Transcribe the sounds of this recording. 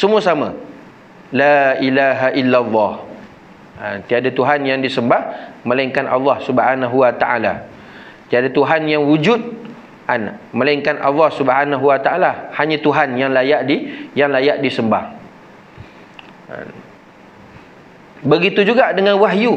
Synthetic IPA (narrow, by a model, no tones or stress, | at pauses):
səmũasamã | lailaɦaʔilːalˤːɑh | ant̪iadat̪uɦanjaŋdisəmbahmə̃laiŋkanʔa̰lːɑhsubhanaɦuwat̪aʔa̰la̰ | t̪iadat̪uɦanjaŋwud͡ʒut̪̚ | anmə̃laiŋkanʔa̰lːɑhsubɦanaɦuwat̪aʔalahaɲãt̪uɦanjaŋlajaʔdijaŋlajaʔdisəmbah | bəɡit̪ud͡ʒuɡaʔdəŋãnwaɦju